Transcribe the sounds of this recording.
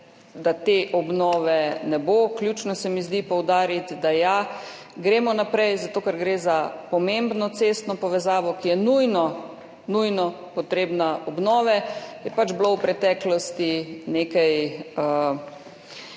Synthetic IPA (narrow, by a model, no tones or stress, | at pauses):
d̪at̪eʔɔbnɔːʋɛnɛboklʲjut͡ʃnɔsɛmizd̪ipɔwd̪aːɾit̪d̪aja | ɡɾeːmɔnapɾɛjzat̪okaɾɡɾeːzapɔmembnɔt̪sest̪nɔpɔʋɛzaːʋɔkijɛnujnɔ | nujnɔ | pɔt̪ɾeːbnaʔɔbnɔːʋɛjɛpad͡ʒblowpɾɛt̪ɛːklɔst̪ineːkajə